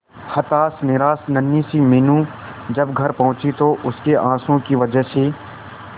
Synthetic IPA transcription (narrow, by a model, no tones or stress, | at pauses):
hɐt̪aːsnɪɾaːsnɐnːisimeːnũ | d͡ʒɐbɡʱɐɾpɐɦʊ̃t͡ʃit̪oʔʊskeʔãːsõkiʋɐd͡ʒəɦse